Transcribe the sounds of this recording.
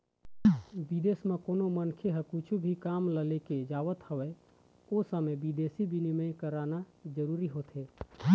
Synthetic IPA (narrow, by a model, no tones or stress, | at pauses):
bid̪eːsmẽkoːnomənkʰeɦəkʊt͡ʃʰubʱikaːmləleked͡ʒaːʋət̪həʋɛ | osəmẽbid̪eːsibʱinɪməjkəɾaːnad͡ʒəɾuːɾiɦoːt̪ɦeː